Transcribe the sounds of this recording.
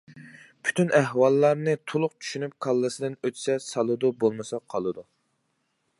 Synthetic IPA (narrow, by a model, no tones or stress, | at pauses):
pʰy̥t̪ʰynæhwɑlˠːɑɾnɨt̪ʰolˠʊqt͡ʃʰy̥ʃynyp̚kʰɑlˠːɨsɨd̪ɨnøt̪ʰsɛsɑlˠɨd̪ubolˠmɨsɑqʰɑlˠɨd̪u